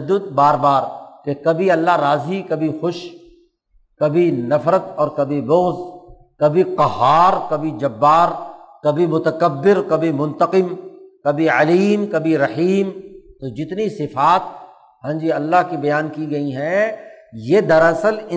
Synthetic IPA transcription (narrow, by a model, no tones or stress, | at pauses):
d̪ːʊd̪̚baːɾbaːɾkekɐbʱiɐlːaɦɾaːzikɐbʱixʊʃ | kɐbʱinɐfɾət̪ɔːɾkɐbʱibʊɣz | kɐbʱiqɐɦaːɾkɐbʱid͡ʒɐbːaːɾkɐbʱimʊt̪ɐkɐbːɪɾkɐbʱimʊ̃nt̪əqɪmkɐbʱiɐliːmkɐbʱiɾɐħiːmt̪od͡ʒɪt̪nisɪfaːt̪̚ | ɦãːd͡ʒiɐlːaɦkibɐjaːnkiɡɐiɦɛ̃ | jeːd̪ɐɾɐsəlɪ